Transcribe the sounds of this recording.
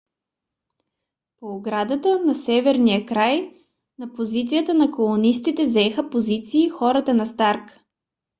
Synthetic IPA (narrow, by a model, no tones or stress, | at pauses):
poːɡɾad̪ət̪ənɐsɛvɛɾnijəkɾaj | nɐpozit̪sijət̪ənɐkolˠʊnist̪it̪ɛzɛxəpozit̪siːxɔɾət̪ənɐst̪aɾk